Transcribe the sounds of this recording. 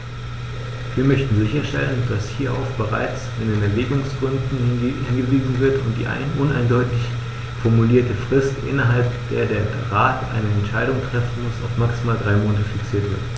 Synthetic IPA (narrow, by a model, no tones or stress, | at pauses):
viːɐmœçtn̩zɪçɐʃtɛ̰lənd̥ashiːɐʔa̰ʊfb̥əʁ̞a̰ɪt͡s | ɪndenɛɐveːɡʊŋsɡ̥ʁʏndn̩hɪnhɪnɡəviːzn̩vɪɐtʊnt̚d̥ḭːʔa̰ɪnəʔʊna̰ɪndɔʏtɪç | fɔɐmuliːɐtəfʁ̥ɪstʔɪ̰nɐɦalpd̥eːɐdeːɐ | ʁaːtʔa̰ɪnəɛntʃaɪɾʊŋtʁ̥ɛfn̩mʊsa̰ʊfmaksimaːldʁaɪmoːnɐtəfiksiːɐtv̥ɪɐt